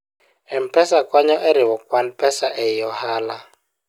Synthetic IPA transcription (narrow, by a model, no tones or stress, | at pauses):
ɛm̩pʰʼɛsakʼwaɲɔʔeɾiwɔkʼwan̩pʰʼɛsaʔɛjɔhaːla